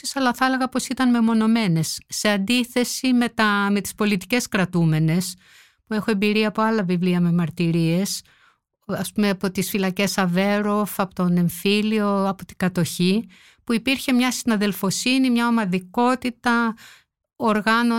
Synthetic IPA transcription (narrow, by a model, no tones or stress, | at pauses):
isɐlɐθɐleɣɐpo̞sit̪ɐnme̞mo̞no̞me̞ne̞sːe̞ɐnd̪iθe̞simet̪ɐme̞t̪i̥spo̞lit̪i̥ce̞skɾɐt̪ume̞ne̞s | pue̞xoe̞mbiɾiɐːpo̞ɐlɐvivliɐme̞mɐɾt̪iɾie̞s | ɐspumeɐpo̞t̪isfilɐce̞sɐve̞ɾo̞fɐpot̪one̞ɱfilio̞ɐpot̪i̥ɡɐt̪o̞çi | puipiɾçe̞mɲɐsinɐðe̞lfo̞sinimɲɐomɐðiko̞t̪it̪ɐ | oɾɣɐno